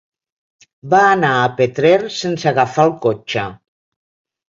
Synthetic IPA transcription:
baːnaəpet̪ɾeɾsensaɣafalˠkot͡ʃə

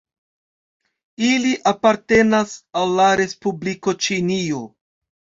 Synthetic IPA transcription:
iliʔapaɾte̞nasalːaɾe̞spubliko̞t͡ʃinio̞

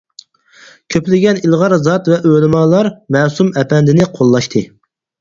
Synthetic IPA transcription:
kʲʰøplɪɡʲɛnilˠʁɑɾzɑt̪vɛʔølˠɨmɑlˠɑɾmɛːsumɛpɛnd̪ɪnɪqʰolˠːɑʃt̪ʰɨ

